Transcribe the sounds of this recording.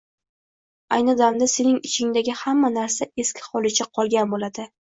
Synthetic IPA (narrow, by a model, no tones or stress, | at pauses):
a̰jnɨd̪amd̪ase̞nɪŋɪt͡ʃʰɪŋd̪aɡʲɪhamːanaɾsae̞skʲʰɪ̥hɒlˠɪt͡ʃʰaqʰɒlˠɡʲanbolad̪ɪ